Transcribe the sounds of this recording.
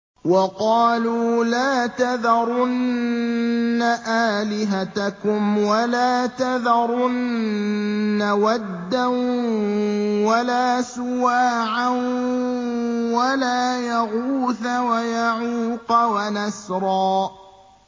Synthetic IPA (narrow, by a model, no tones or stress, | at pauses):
wɑqɑːluːlaːt̪aðɑɾˤʊn | aʔaːlɪɦat̪akʊmwalaːt̪aðɑɾˤʊnː | awad̪ːan | walaːsʊwaːʕan | walaːjaɣuːθawajaʕuːqɑwanasɾˤɑː